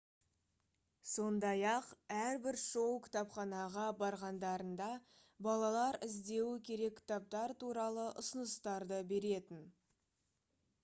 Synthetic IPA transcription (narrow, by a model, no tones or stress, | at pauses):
so̞nd̪ɑjɑqæɾbɪɾʃo̞wkʲʰɪ̥t̪ɑpχɑnɑʁɑbɑɾʁɑnd̪ɑɾənd̪ɑ | bɑlˠɑlˠɑɾɪzd̪e̞wɪkʲʰe̞ɾe̞k̚ʲkʲʰɪ̥t̪ɑp̚t̪ɑɾt̪ʰuɾɑlˠəʔʊsənəst̪ɑɾd̪əbe̞ɾe̞t̪ɪn